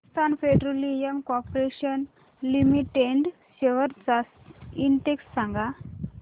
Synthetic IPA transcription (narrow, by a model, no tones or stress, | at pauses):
st̪ʰanfeɖɾolijəmkɔpɾeɕən | limiʈeɳɖ | ɕeʋəɾt͡sas | iɳʈeksːãŋɡa